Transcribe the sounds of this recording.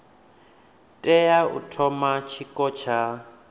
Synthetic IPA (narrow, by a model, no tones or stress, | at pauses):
tʼɛjaṵtʰɔmat͡ʃʰikʼɔt͡ʃʰa